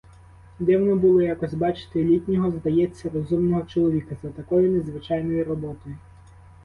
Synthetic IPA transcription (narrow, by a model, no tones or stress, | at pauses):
d̪ɛwnɔbulˠɔjakɔsʲbɑt͡ʃɪ̥t̪ɪlʲit̪ʲnʲɔɦɔzd̪ɐjɛt͡sʲːɐrɔzumnɔɦɔt͡ʃɔlˠɔʋʲikɐzɐt̪ɐkɔjʊnezʋɪt͡ʃɑjnɔjiɾɔbɔt̪ɔjʊ